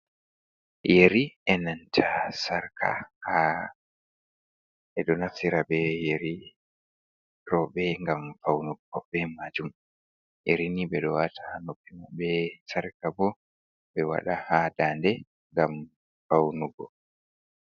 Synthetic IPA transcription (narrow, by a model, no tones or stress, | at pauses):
jeɾiɛnantʰasaɾkʰa̰ha | ɛɗɔnasiɾabɛjeɾi | ɾɔɓɛŋɡamfawnuɡɔbɛmad͡ʒum | jeɾinibɛɗɔwatʰanopːimabɛsaɾkabɔ | bɛwa̰ɗahadandɛ | ŋɡam | fawnuɡɔ̰